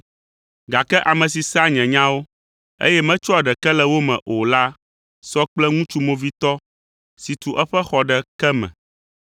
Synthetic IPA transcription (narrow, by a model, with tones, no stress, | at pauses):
ɡa˨kɛ˦ʔa˨mɛ̃˨s̬i˨sa˦ɲɛ̃˨ɲã˦wo˦ | ḛ˦jɛ˦mɛ̃˦t͡ʃɔ˦a˨ɖɛ˨kɛ˦lɛ˨wo˦mɛ̰̃˨ʔo˨la˦ | sɔ˦k͡plɛ˦ŋũ˦t͡ʃu˦mõ˦vi˦t̪ɔ˦ | si˨t̪u˨ʔɛ˦ɸɛ˦xɔ˨ɖɛ˨kɛ˦mɛ̰̃˨